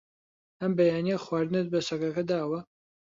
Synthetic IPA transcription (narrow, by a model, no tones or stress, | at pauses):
ɐmbɐjaːnijɐxwaːɾd̪ɨnɨt̪̚bɐsɐkɐkɐd̪aːwɐ